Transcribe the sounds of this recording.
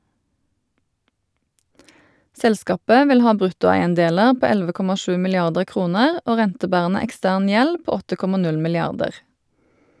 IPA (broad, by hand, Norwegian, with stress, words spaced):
ˈsɛlˌskɑːpə ˈʋɪl ˈhɑː ˈbʁʉtʊæɪənˌdeːləʁ ˈpoː ˈɛlʋə ˈkɔmɑ ˈʃʉː mɪlɪˈɑʁdəʁ ˈkʁuːnəʁ ˈoː ˈʁɛntəˌbæːʁənə ɛkˈstæːʁn ˈjɛl ˈpoː ˈɔtə ˈkɔmɑ ˈnʉl mɪlɪˈɑʁdəʁ